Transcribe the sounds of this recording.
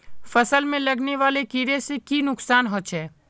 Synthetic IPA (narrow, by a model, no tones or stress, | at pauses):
fəsəlmẽlɐɡneʋaːlekiɾesekinʊksaːnɦoːʃʰɛː